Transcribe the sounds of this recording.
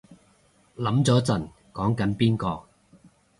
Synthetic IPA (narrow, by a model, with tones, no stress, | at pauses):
lɐ˨˥mt͡sɔː˨˥t͡sɐ˨˩n | kɔː˨˥ŋkɐ˨˥npiː˥nkɔː˧